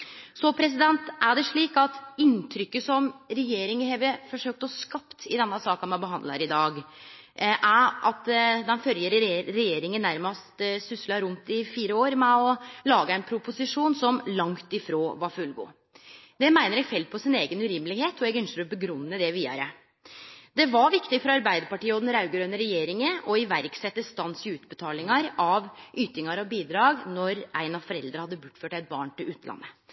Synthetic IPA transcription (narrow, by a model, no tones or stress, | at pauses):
sɔpʰɾɛs̬ɪd̪ɛnt̪ʔæɖɛʂɭiːkɑt̪ɪnt̪ʰɾʏkːəsɔmɾɛjeːɾɪŋəheʋəfɔʂøːk̚t̪əɔskɑpt̪ɪd̪ɛnːəsɑːkɑnmɑnbəɦɑnd̪lɑ̰ɾɪd̪ɑːɡ | ʔæɾʔɑt̪d̪ɛnfœljəɾɾɾɛjeːɾɪŋənːæɾmɑst̪sʏslɑɾʊnt̪ɪfiːɾəoːɾmɛɔlɑːɡəæɪnpʰɾʊpʊsɪʂuːnsɔmlɑŋt̪ɪfɾoːʋɑɾfʉlɡṵː | d̪̥ɛmæɪnəɾɛɡfɛld̪̚pʰɔsɪneːɡənʉɾɪmːlɪheːt̪ɔɛɡœnsəɾɔbəɡɾʉnːəd̪ɛʋiːɑ̰ɾə | d̪ɛʋɑʋɪkt̪ɪfɔɾɑɾbæɪd̪əɾpɑʈiːəɔd̪ɛnɾɑʉɡəɾœnːəɾɛjeːɾɪŋəʔɔɪʋæɾksɛt̪ːəst̪ɑnːsɪʉːt̪bət̪ʰɑːlɪŋɑɾɑʋʔyːt̪ɪŋɑɾɔbiːd̪ɾɑːɡnɔɾʔæɪnɑfɔɾɛld̪ɾəhɑd̪ːəbʊʈːføːʈæɪt̪̚bɑ̰ːɳʈɪlʉːt̪ʰəlɑ̰nːə